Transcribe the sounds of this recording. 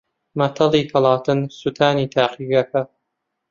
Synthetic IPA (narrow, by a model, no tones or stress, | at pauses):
mɐt̪ʰɐliːkʰɐlˠɑːt̪ʰɨnsut̪ʰaːniːt̪ʰaːqiɡɐkɐ